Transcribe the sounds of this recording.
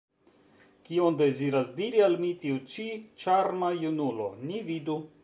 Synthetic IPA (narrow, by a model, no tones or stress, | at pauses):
kionde̞ziɾasdiɾialmitiut͡ʃit͡ʃaɾmajunulo̞̰nividu